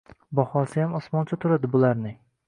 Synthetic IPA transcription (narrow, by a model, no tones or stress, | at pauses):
bɒhɒsɪjamɒsmɒnt͡ʃʰat̪ʰʊɾad̪ɪbʊlaɾnɪ